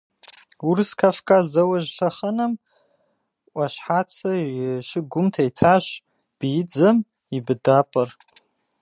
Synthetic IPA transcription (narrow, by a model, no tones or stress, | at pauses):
urskʰafkʼazɐwaʒɬaχənam | ʔʷaʃħat͡sʰaʃɪɡʷʊmtʰaitʰaʃʷ | b̥id͡zɨm | ibdapʼar